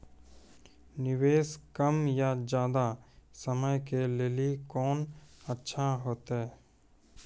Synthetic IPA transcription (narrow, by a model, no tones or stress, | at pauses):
nɪweːskəmjad͡ʒjaːd̪asəməjkeleːlikɔːnətːʃʰaɦoːt̪ɦɛː